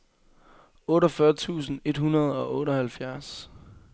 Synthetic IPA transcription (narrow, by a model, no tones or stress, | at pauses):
ɔ̽ːɾɒfɶɐt͡sʰṵːsn̩e̝d̥hunɐð̞̩ˠɒ̽ʔɔ̽ːɾɒhælfjæɐs